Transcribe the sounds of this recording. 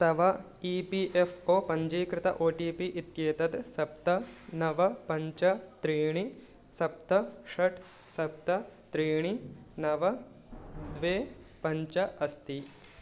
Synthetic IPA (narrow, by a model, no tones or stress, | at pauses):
t̪ɐʋɐ | iːpiʔefʰoːpɐɲd͡ʒiːkɾɪt̪ɐ̰ʔoːʈiːpiʔit̪jeːt̪ɐt̪sɐp̚t̪ɐnɐʋɐpɐɲt͡ʃɐt̪ɾiːɳ̃i | sɐp̚t̪ɐʂɐʈʰ | sɐp̚t̪ɐt̪ɾiːɳinɐʋɐ | d̪ʋeː | pɐɲt͡ʃɐɐst̪i